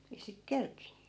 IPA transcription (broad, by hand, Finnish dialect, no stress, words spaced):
ei sit kerkinːy